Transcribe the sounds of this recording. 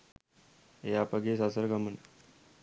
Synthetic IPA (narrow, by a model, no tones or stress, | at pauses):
eapaɡesasəɾɡamən